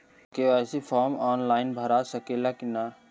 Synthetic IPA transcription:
keasipʰɔːɾmɔːnlaːɪnbʱəɾasəkelakina

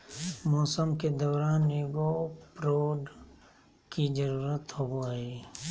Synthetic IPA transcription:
mɔːsəmked̪ɔːɾaːnːeɡopɾoːɖ | kid͡ʒəɾuːɾət̪ɦooɛː

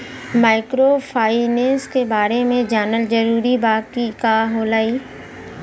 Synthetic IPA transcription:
maːɪkɾopʰaːɪnẽːnskebaːɾemẽd͡ʒaːnəld͡ʒɐɾuːɾibaːɡkikaːɦoːlaːiː

